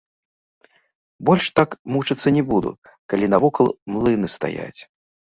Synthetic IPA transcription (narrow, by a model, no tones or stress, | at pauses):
bɔlʲʂt̪akmut͡ʂɐt̪sːɐnʲɛbud̪ṵ | kalʲinɐvɔkɐlˠmlˠɨnɨst̪a̰ja̰t͡sʲ